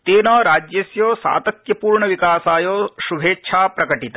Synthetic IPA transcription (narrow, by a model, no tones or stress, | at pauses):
t̪eːnɐɾaːd͡ʒjɐsjoːsa̰ːt̪ɐk̪jɐpuːɾɳɐʋikaːsaːjoːʃubʱeːt͡ʃʰaːpɾɐkɐʈit̪ɐ